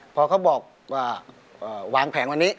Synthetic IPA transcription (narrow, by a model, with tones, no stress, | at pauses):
pʰɔː˧kʰa˦˥wbɔː˨˩k̚ | aː˧˩ | ʔɤː˨˩waː˨˧ŋpʰɛː˩˦ŋwa˧nːiː˦˥